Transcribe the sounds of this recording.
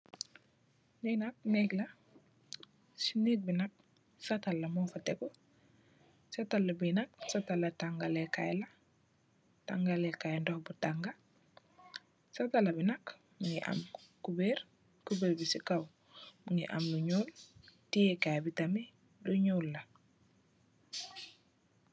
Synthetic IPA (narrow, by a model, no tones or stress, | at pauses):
nenak̚nɛɡla | sinek̚binak̚ | satalːamofateko | satalːabinak̚satalːataŋɡalekajla | taŋɡalekajndɔhbutaŋɡa | satalːɐbinak | muŋiʔa̰mkubeɾ | kubeɾbisikaw | muŋḭʔa̰mluɲultijekajbitami | luɲulːa